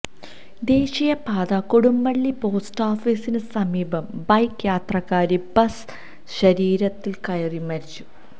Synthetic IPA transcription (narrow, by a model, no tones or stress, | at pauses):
d̪e̞ːɕijɐpaːd̪ɐkoɽumbɐɭːipo̞ːsʈaːfiːsinɨsɐmiːbɐmbɐjkjaːt̪rɐɣaːɾibɐs | ɕɐɾiːɾɐt̪ːilkɐjɐrimɐɾit͡ɕːu̥